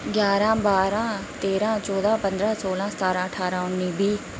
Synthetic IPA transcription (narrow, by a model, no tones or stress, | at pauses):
ɡjaːɾãːbaːɾãːt̪eːɾãːt͡ʃɔːd̪ãːpə̃nd̪ɾãːsoːlãːsət̪aːɾãːəʈʰaːɾãːʊnːiːbiː